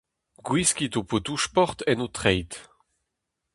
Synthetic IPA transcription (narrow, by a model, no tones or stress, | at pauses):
ɡwiskʲit̪opot̪uʃpɔʁt̪ɛnot̪χɛjt̪